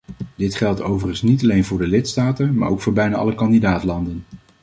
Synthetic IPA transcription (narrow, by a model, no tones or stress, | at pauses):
dɪtχɛlˠtowvərənsnitɑlejnvʊːɹdəlɪtstaːtənma̰ːɹowkfʊːɹbɛjnaːʔɑ̰ləkɑndidaːtlɑndən